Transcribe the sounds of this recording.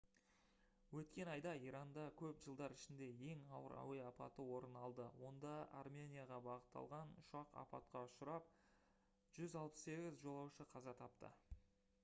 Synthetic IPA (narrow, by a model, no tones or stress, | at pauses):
wɵt̪kʲe̞nɑjd̪ɑijɾɑnd̪ɑkʲʰɵpʒəlˠd̪ɑɾɪʃɪnd̪e̞je̞ŋɑwə̰ɾɑ̰wejɑpɑ̰t̪əwo̞ɾənɑlˠd̪əwo̞nd̪ɑa̰rmʲenʲijaʁɑbɑʁət̪ːɑ̰lˠʁɑnʊ̰ʃɑqɑ̰pɑ̰t̪̚qɑʊʃʊɾɑp̚ | ʒ̥ʏzɑlˠpə̥sse̞ɡʲɪzʒo̞lˠɑwʃəqʰɑzɑt̪ʰɑp̚t̪ə̰